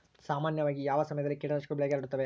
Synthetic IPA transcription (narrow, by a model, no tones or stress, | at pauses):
saːmaːnjɐʋaːɡijaːʋɐsɐmɐjɐd̪ɐlːikiːɽɐnɐʂkubɭeɡaliɽut̪ːɐʋe